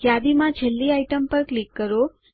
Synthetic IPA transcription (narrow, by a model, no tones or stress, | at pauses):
jad̪imãd͡ʒʱelːiaiʈəmpəɾklikːəɾo